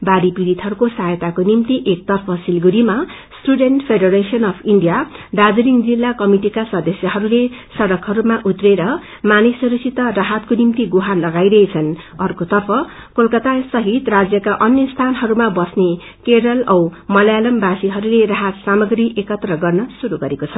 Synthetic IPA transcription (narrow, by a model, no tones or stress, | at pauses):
baɾipiɾit̪ɦʌɾukosajt̪akonimt̪iʔek̚t̪ʌrpʰʌsilɡuɾima | sʈuɖeɳʈpʰeɖʌɾesiʌnʌpʰiɳɖijaɖad͡zɾiŋd͡zilːakʌmiʈikasʌd̪ʌsjʌɦʌɾulesʌɽʌkɦʌɾumaʔut̪reɾʌ | manisuɾuksʰit̪ʌraɦat̪̚konimt̪iɡuɦanlʌɡajɾʌet͡sʰʌn | ʌrkot̪ʌrpʰʌ | kolkʌt̪asʌɦit̪rad͡zjʌkaʔʌnjʌst̪ʰanɦʌɾumabʌsne | keɽʌlʌwmʌlajalʌmbasiɦʌɾuleraɦat̪samʌɡriʔekʌt̪rʌɡʌrnʌsuɾuɡʌɾekot͡sʰʌ